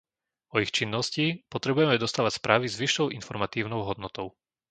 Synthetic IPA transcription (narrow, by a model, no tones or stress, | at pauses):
ɔixt͡ʃinːɔscipɔt̪ɾɛbujɛmɛd̪ɔst̪aːʋacʲspɾʔaːʋizʋiʃːɔʊʔinfɔɾmat̪iːʊnɔʊɦɔd̪nɔt̪ɔʊ